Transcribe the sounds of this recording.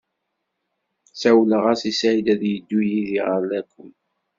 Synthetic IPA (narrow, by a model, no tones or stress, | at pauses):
sawləʁasisæʕid̪æðjəd̪ːujiðiʁəɾlækʰːʊm